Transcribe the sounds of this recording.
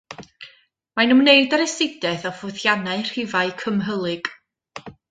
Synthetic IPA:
manumneɨdaɾɛsɪdɛθɔfʊθjanaɨr̥ɪvaɨkʰəmɦəlˠɨɡ̥

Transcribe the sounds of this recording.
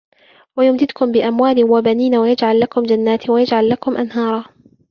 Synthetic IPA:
wajʊmd̪ɪd̪kʊmbɪʔamwaːlɪwabaniːnawajad͡ʒʕalːakʊmd͡ʒanːaːt̪wajad͡ʒʕalːakʊmʔanhɑːɾˤɑ

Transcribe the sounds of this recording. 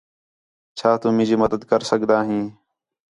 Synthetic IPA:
t͡ʃʰaːt̪ũːmɪ̃ːd͡ʒiːməd̪əd̪kəɾsəɡd̪aːɦĩː

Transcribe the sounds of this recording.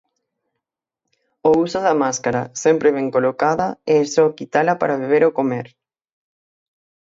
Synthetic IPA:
ousoðamaskaɾasempɾeβ̞eŋkolokaðaeːsɔkit̪alapaɾaβeβ̞eɾokomeɾ

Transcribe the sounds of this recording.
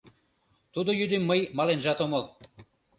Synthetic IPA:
t̪ud̪ojyd̪emːəjmɑlenʒɑt̪omol

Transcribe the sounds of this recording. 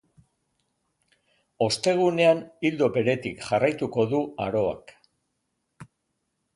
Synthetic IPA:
o̞st̪e̞ɣ̞une̞anild̪o̞be̞ɾe̞t̪ikʝarajt̪uko̞ðuaɾo̞a̰k

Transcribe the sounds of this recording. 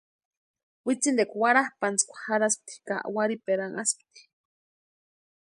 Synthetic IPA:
wit͡sind̪ekʷwaɾahpant͡skʷḁhaɾasp̚t̪i̥ka̰ʔwaɾipeɾaŋʔasp̚t̪i̥

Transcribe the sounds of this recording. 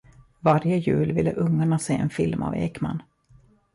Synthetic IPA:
vaɾjəjʉ̟ːlvɪlːəʔɵŋːaɳaseːɛnfɪlma̰vḛːkma̰n

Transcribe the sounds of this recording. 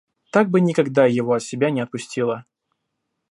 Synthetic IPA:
t̪aɡ̚bɨnʲɪkɐɡd̪ajɪvoɐt̪sʲɪbʲanʲɪɐt̪̚pʊsʲtʲilˠə

